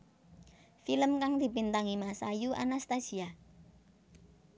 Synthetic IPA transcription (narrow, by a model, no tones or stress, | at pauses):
filəmkaŋd̪̥i̤pint̪aŋimasajuʔa̰nast̪asia